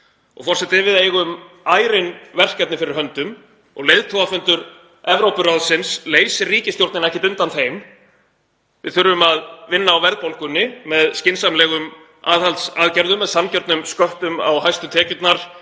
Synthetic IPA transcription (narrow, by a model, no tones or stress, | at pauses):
ɔ̰ɣfɔrsɛt̪ɪvɪðeɣʏm | aːjɾɪnvɛr̥kɛt̪nɪfɪɾɪɾ̥ɦœnt̪ʏm | ɔ̰ɣlejðt̪ʰowafʏnt̪ʏɾ | ɛvɾowpʏralsɪnsleːjsɪriːcɪst̪jowl̥t̪ɪnɛhcɪt̪ʏnt̪anθeːjm | vɪ̰ðθʏɾvʏmaðvɪnːaːwvɛɾðpowlkʏnːɪmɛðscɪnsamlɛːɣʏm | aːðhalt̪saðcɛɾðʏmːɛðsancɛɾt̪nʏmskœht̪ʏma̰wɦajst̪ʏt̪ʰɛːcʏt̪naɾ̥